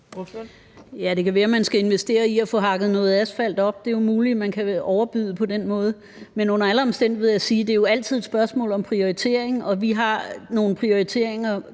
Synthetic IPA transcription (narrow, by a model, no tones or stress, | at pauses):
jæd̥e̝kʰæʋæːɐmænsɡ̥æe̝nʋesd̥e̝̰ːɐiɒfɔ̽ɦɑ̈ɡ̥ð̞̩ˠnɔ̽ːð̞̩ˠæsfæl̰d̥ɒ̽b̥d̥e̝jo̝muːlimænkʰæɒʊɐb̥yðˠpʰɒ̽d̥enmɔ̽ːð̞̩ˠ | menɔ̽n̰ɐæləɒ̽msd̥en̰d̥iʋeæsiːd̥e̝jo̝æl̰t͡sʰið̞̰ˠed̥sb̥ɶɐsmɔ̰̽ːlɒ̽mpʰʁio̝it͡sʰe̝̰ɐ̰eŋ̩ɒ̽ʋiɦɑ̈no̝ːn̩pʰʁio̝it͡sʰe̝̰ɐ̰eŋɐ